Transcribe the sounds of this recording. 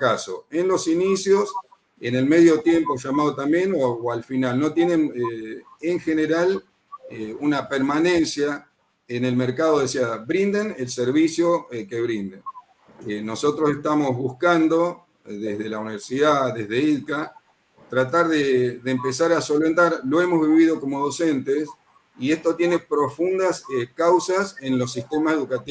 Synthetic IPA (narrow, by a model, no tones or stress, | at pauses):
kaso̰enlosinisjos | enelmeð̞jo̞t̪je̞mpo̞ʒamað̞o̞t̪ambje̞nooalfinalno̞t̪je̞nẽneeŋxeneɾal | eunapeɾmanẽ̞nsja | enelmeɾkaðoðesiaβɾind̪enelseɾβisjoke̞βɾind̪en | eno̞so̞t̪ɾo̞se̞ht̪amo̞zβuskand̪o̞ | ðezð̞e̞launiβeɾsiðaðezðeiðka | t̪ɾat̪aɾðeðeːmpesaɾaso̞lβent̪aɾloemo̞zβiββið̞o̞ko̞mo̞ð̞o̞sent̪es | ie̞ht̪ot̪je̞ne̞pɾo̞fund̪asekawsasenlo̞s̬ist̪emaseðukat̪i